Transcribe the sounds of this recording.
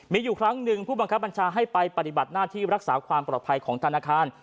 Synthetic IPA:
miː˧juː˨˩kʰɾa˦˥ŋnɯ˨˩ŋpʰuː˥˩ba˧ŋkʰa˦˥p̚ba˧nt͡ɕʰaː˧ɦa˥˩jpa˧jpa˨˩t̪i˨ba˨˩t̪̚naː˥˩t̪ʰiː˥˩ɾa˦˥k̚saː˩˦kʰwaː˧mpɾɔː˨˩t̪pʰa˧jkʰɔː˩˦ŋt̪ʰa˧naː˧˩kʰaː˧n

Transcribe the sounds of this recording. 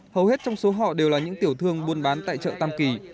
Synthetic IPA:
hə˨˩whe˦˥t̚t͡ɕɔ˧wŋ͡mso˨˦ɦɔ̰˧˨ɗe˨˩wlaː˨˩ɲɨ̰˧˥ŋt̪i˧˩əwt̪ʰɨ˧əŋɓu˧ənɓaː˨˦nt̪a̰ː˧˨jt͡ɕə̰ː˧˨t̪aː˧mki˨˩

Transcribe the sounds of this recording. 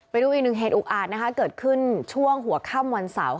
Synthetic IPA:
pa˧jduː˧ʔi˨˩k̚nɯ˨˩ŋ̚ɦeː˨˩t̪̚ʔuː˨˩k̚ʔaː˨˩t̪̚na˦˥kʰa˦˥kɤː˨˩t̪̚kʰɯ˥˩nt͡ɕʰu˥˩əŋɦu˩˦ɐkʰaː˥˩mwa˧nsa̰˩˦w

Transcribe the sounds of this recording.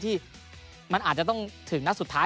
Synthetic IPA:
t̪ʰiː˥˩ | ma˧nʔaː˨˩t̪̚t͡ɕa˨˩t̪ɔ˥˩ŋt̪ʰɯ˩˦ŋna˥su˨˩t̪ʰːaː˦˥

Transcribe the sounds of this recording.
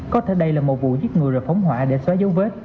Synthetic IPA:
kɔ˨˦t̪ʰe˧˩ɗə˧jlaː˨˩mo˨˩t̚vṵ˧˨zɨ˦˥t̚ŋɨ˨˩əjzəː˨˩jfa˨˦wŋ͡mhwaː˧˨ɗe˧˩swaː˨˦zə˨˦wve˦˥t̚

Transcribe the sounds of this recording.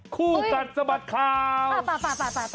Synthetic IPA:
kʰuː˥˩ka˨˩t̪̚sa˧ba˨˩t̪̚kʰaː˧˩w

